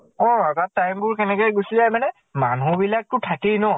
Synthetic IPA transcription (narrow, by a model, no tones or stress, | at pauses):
ɔ̃atatːajmbʊɹkɛnɛkɔjɡosizajmanɛ | manubilak̚tʊtʰakinɔ